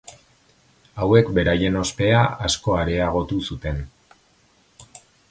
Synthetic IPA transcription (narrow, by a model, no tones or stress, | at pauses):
awe̞kbe̞ɾaje̞no̞spe̞aasko̞aɾe̞aɣo̞t̪usut̪e̞n